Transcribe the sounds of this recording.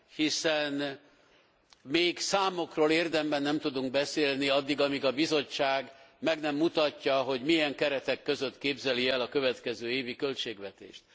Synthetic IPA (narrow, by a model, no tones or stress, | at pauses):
hisɛn | meːɡsaːmo̞kroːleːrd̪ɛmbɛnːɛmt̪ud̪uŋɡ̚bɛseːlniɒd̪ːiɡɒmiɡɒbizo̞t͡ʃːaːɡmɛɡnɛmːut̪ɒcːɒɦo̞ɟmijɛŋkɛɾɛt̪ɛkːø̞zø̞t̪keːbzɛliɛlɒkø̞vɛt̪kɛzøːeːvikølt͡ʃeːɡʋɛt̪ḛːʃt̪̚